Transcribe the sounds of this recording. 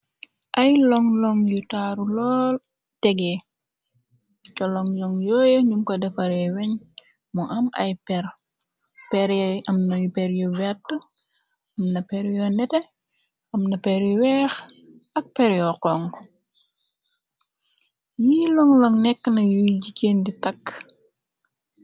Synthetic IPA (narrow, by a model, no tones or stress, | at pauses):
ʔɐjlɔŋlɔŋjutaɾulɔːl | tɛɡɛ | t͡ʃɔlɔŋjɔŋjɔːjəɲumkɔdɛfɐɾɛwɛɲ | mɔʔɐmʔɐ̰jpɛɾ | pɛɾʔɐmnɐjupɛɾjɔvɛtː | ɐmnɐpɛɾjɔnɛtɛ | ɐmnɐpɛɾiwɛx | ɐk̚pɛɾjɔqɔŋ | jilɔŋlɔŋnɛkːnɐjujɟikeːnditɐkː